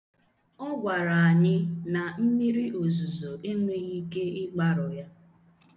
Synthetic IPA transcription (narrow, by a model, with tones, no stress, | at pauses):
ɔ˦ɡʷa˨ɾa˨a˨ɲɪ˦na˨m̩˦mi˦ɾi˦ʔo˨zu˨zo˨ʔe˦ŋe˦i˦ke˦ɪ˦ɡ͡ba˦ɾʊ˨ja˦